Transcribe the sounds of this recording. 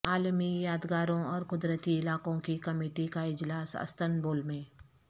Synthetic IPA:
aːlmijaːd̪ɡaːɾõɔːɾkʊd̪ɾət̪iɪlaːkõkikɐmeːʈikaɪd͡ʒlaːsɐ̰st̪ənboːlmẽː

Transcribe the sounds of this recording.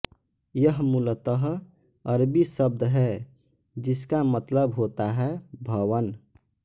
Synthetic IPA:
jəɦmulət̪əɦəɾbisəb̚d̪ɦɛ | d͡ʒiskamət̪ləbɦot̪aɦɛbʱəwən

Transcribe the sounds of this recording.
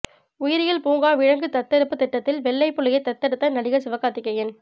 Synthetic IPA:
ʊjɪɾɪjɐɭpuːŋɡaːʋɪɻɐŋɡɯt̪ɐt̪ːɛɾɯpːɯt̪ɪʈːɐt̪ːɪlʋɛɭːɐɪpːɯɭɪjɐɪt̪ːɐt̪ːɛɽɯt̪ːɐnɐɽɪɣɐsɪʋɐkːaːt̪ɪkːɐjɪn

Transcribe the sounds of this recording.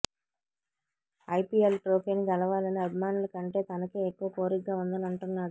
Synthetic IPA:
ɐjpiːelʈɾoːkeːniɡɐlɐʋaːlɐniɐbʱimaːnulɐkɐɳʈe̞ːt̪ɐnɐkeːekːuʋɐkoːɾiɡːaːund̪ɐnɐɳʈunːaːɽu

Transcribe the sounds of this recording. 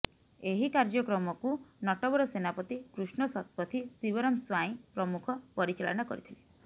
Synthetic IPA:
eɦikaɾd͡ʒɔkɾɔmɔkunɔʈɔbɔɾɔsenapɔt̪ikɾusɳɔsɔt̪̚pɔt̪ʰisibɔɾɔmswaĩpɾɔmukʰɔpɔɾit͡ʃalɔ̰ñakɔ̰ɾit̪ʰile

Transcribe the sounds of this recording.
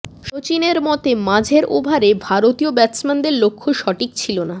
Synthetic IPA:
ʃot͡ɕineɾmɔt̪emãd͡ʑʱeɾʔobʱaɾebʱaɾot̪iobɛt̪smand̪eɾlokʰːoʃɔʈik̚t͡ɕʰilona

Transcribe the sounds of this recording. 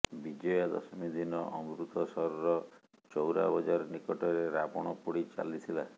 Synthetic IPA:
bid͡ʒɔjad̪ɔ̰sɔmid̪inɔʔɔmuɾut̪ɔsɔɾɔɾɔ | t͡ʃɔwɾa̰bɔd͡ʒaɾɔnikɔʈɔɾeɾapɔɽ̃ɔpuɽit͡ʃa̰lit̪ʰila

